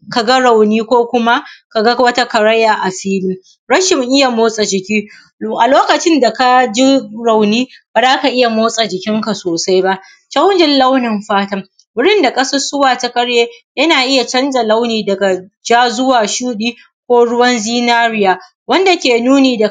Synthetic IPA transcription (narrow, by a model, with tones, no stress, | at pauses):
ka˨ɡa˦ɽa˨wniː˦kʷoː˦kʷʊ˦ma˦ka˨ɡa˦wɐ˦ta˦kɐ˨ɽɐ˦jːaː˨ʔa˨ɸiː˦lɪ˦m | ɽɐ˦ʃɪ˨ŋʔɪ˦ja˨moː˦sʼa˨d͡ʒɪ˨kʲiː˦ | ʔa˨loː˦kɐ˨t͡ʃɪ˦nda˨ka˦d͡ʒi˦ɾa˨wniː˦b̥a˨zaː˦ka˨ʔɪ˦ja˨moː˦sʼa˨d͡ʒɪ˨kʲɪ˦ŋka˨soː˨sa˦jba˦ʔ | t͡ʃɐ˦wnd͡ʒɪ˦nlɐ˦wnɪ˨mɸaː˦tɐ˦ | bʊ˦ɽɪ˦nda˨kʼɐ˦sɐ˦sʊ˦waː˨ta˦kɐ˦ɽjeː˦jɐ˦naː˨ʔɪ˦ja˨t͡ʃɐ˦nd͡ʒa˨lɐ˦wniː˨dɐ˨ɡa˨d͡ʒaː˦zʊ˦waː˨ʃuː˦ɗiː˦ | kʷoː˦ɽʊ˦wɐ˦nziː˦naː˦ɾɪ˦jaː˨ | wɐ˦nda˨kʲeː˨nuː˦neː˨da˨